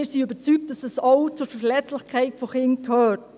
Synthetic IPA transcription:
ɪːɾsiøbəɾt͡syk̚t̚d̥ɑsɛsowt͡suɾfɛlɛt͡slɪχkʰæɪtfoχɪnkʰœːt

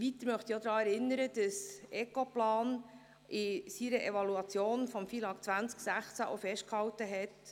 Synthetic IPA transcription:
ʋit̪əɾmœχt̪iod̪ɾɑːɛɾɪnəɾəd̥əsʔɛkoplɑːn | ɪsiɾəʔɛvɑluɑt͡sjoːnfɔmfilɑkt͡sʋænt͡sksæχt͡sæʔo̰fɛʃt̚khɑwtəɦɛt

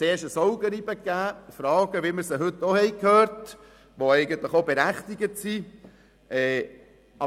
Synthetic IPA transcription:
eːʃəsɔʊɡəɾibəkːæːfɾɑːɡ̥əʋiməɾsəɦɵtːohɛɪkʰhøːɾt | ʋoɛɪɡənt̪ləχobeɾæχt̪iɡətsi | ʔɛ | ɑ

